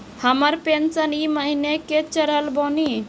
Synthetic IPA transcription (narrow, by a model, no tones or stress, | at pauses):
həməɾpensəniːməɦineket͡ʃəɾəlbɔni